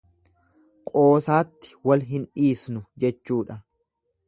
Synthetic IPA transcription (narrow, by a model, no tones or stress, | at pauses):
kʼoːsaːt̪ːɪ̥wɐlɦɪnᶑiːsnʊd͡ʒɛt͡ʃːuːᶑɐ